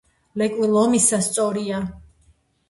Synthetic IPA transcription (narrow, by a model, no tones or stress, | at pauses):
lɛkʼwilˠɔmisast̪sʼɔɾia